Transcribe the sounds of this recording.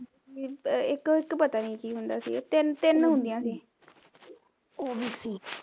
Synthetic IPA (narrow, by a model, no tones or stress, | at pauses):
iːɪkɪkpət̪aːniːkiːɦʊnd̪aːsḭːt̪ɪnt̪ɪnɦʊ̃nd̪ijãːsiː | oːbiːsiː